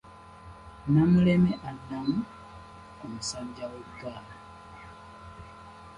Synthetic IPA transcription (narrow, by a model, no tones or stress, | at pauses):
namulemeʔadːamu | omusaːɲɟaweɡaːna